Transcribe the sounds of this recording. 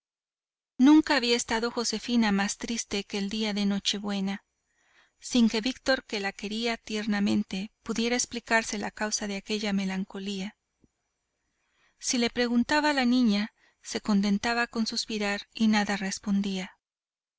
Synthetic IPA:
nũŋkaːβiaest̪aðo̞xo̞se̞finamast̪ɾist̪e̞keːld̪iaðe̞no̞t͡ʃe̞βwe̞na | siŋke̞βikt̪o̞ɾke̞lake̞ɾiat̪je̞ɾnamẽ̞nt̪e̞puðje̞ɾaeksplikaɾse̞lakawsaðe̞ake̞ʝame̞laŋko̞lia | sile̞pɾe̞ɣunt̪aβaːlanĩɲa | se̞ko̞nt̪̬e̞nt̪aβako̞nsuspiɾaɾinaðare̞spo̞nd̪ia

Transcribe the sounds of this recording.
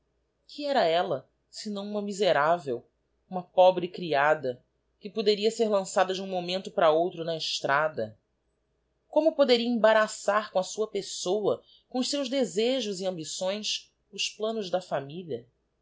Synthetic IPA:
kʰɪɛɾɐɛlɐ | sɪnɐ̃w̃ũmɐmizeɾavḛw | ũmɐpɔbɾɪkɾiad̪ɐ | kɪpod̪eɾiɐseɾlɐ̃sad̪ɐd͡ʒɪũmomẽnt̪ʊpɾɐowt̪ɾʊnɐɪʃt̪ɾʔad̪ɐ | kõmʊpod̪eɾiɐĩbaɾasaɾkõɐsuɐpesowɐ | kõʊʃsewʒd̪ezeʒʊziɐ̃mbisõj̃s | ʊsplɐ̃nʊʒd̪ɐfamilɐ

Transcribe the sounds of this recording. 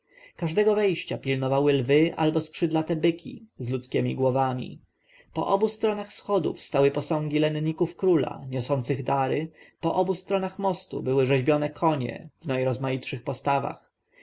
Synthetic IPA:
kaʐd̪ɛɡɔvɛjɕt͡ɕapʲilnɔvawɘlvɘʔa̰lbɔskʂɘd̪lat̪ɛbɘkʲʰḭzlut̪skʲɛmʲiɡwɔvamʲḭ | pɔ̰ʔɔbust̪ɾɔnaxsxɔd̪ṵfst̪awɘpɔsɔ̃ŋɡʲilɛnɲikufkɾula̰ɲɔsɔnt̪sɘɣd̪aɾɘpɔʔɔbust̪ɾɔnaxmɔst̪ṵbɘwɘʐɛʑbʲjɔnɛkʰɔɲɛ̰vnajɾɔzmajitʂɘxpɔst̪ava̰x

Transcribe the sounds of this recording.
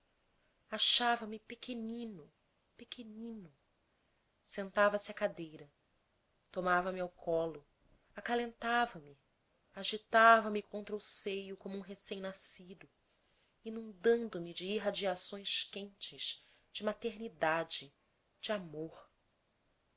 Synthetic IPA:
aʃavɐmɪpekʰenĩnʊ | pekʰenĩnʊ | sẽnt̪avɐsɪɐkad̪ejɾɐ | t̪omavɐmɪawkʰɔlʊ | akalẽnt̪avɐmɪ | aʒit̪avɐmɪkõnt̪ɾɐʊsejʊkõmuũɦesẽj̃nasid̪ʊ | inũnd̪ɐ̃nd̪ʊmɪd͡ʒɪiɦad͡ʒiasõj̃ʃkẽnt͡ʃɪʃ | d͡ʒɪmat̪eɾnid̪ad͡ʒɪ | d͡ʒɪamoχ

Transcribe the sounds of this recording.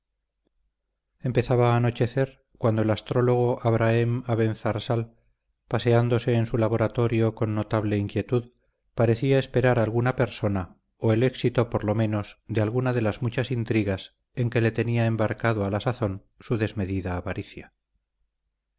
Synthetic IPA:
e̞mpe̞θaβaːno̞t͡ʃe̞θe̞ɾ | kwand̪oe̞last̪ɾo̞lo̞ɣ̞o̞ʔaβɾaemaβe̞nθaɾsal | pase̞and̪o̞se̞ːnsulaβ̞o̞ɾat̪o̞ɾjo̞ko̞nːo̞t̪aβle̞iŋkje̞t̪uð | paɾe̞θiae̞spe̞ɾaɾalɣunape̞ɾso̞na | oe̞le̞ksit̪o̞po̞ɾlo̞mẽ̞no̞zðealɣunaðe̞lazmut͡ʃasint̪ɾiɣas | eŋke̞le̞t̪e̞niaembaɾkaðo̞alasaθo̞n | suðe̞zme̞ðiðaːβaɾiθja

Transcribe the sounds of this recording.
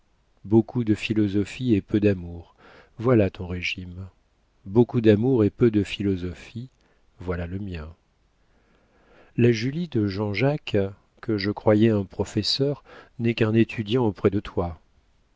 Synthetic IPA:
bokʰud̪əfilɔzɔfiepød̪amuʁ | vwalat̪ɔ̃ʁeʒim | bokud̪amuʁepød̪əfilɔzɔfi | vwalaləmjɛ̃ | laʒylid̪əʒɑ̃ʒak | kːəʒəkχwajɛɛ̃pχɔfɛsœʁnɛkɛ̃net̪ʰyd̪jɑ̃opχɛd̪ət̪wa

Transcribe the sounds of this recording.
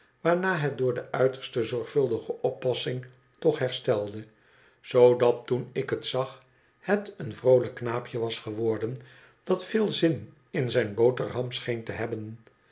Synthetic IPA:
ʋaːɹnaːɦɛt̚dʊːɹdəʔœɥtəɹstəzɔɹχfɵlˠdəχəʔɔpːɑsɪŋ | tɔχɦɛɹstɛlˠdə | z̥owdɑtːunɪkɦətsɑχ | hətənvrowləkːnaːpjəʋɑsχəʋɔɹdən | d̥ɑtfɪːlˠzɪn | ɪnzɛjnbowtərɦɑmsχejntəɦɛbən

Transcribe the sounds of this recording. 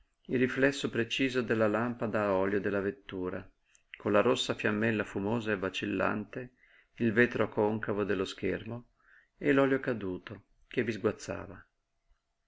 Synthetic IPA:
ilriflɛsːopɾet͡ʃiːzod̪elːalampad̪aɔːljod̪elːavet̪ːuːɾa | konlaɾosːafjamːɛlːafumoːzaevat͡ʃilːa̰nt̪e | ilveːt̪ɾokoŋkavod̪elːosk̟ermo | elɔːljokad̪uːt̪o | k̟evizɡwat̪sːa̰ːva

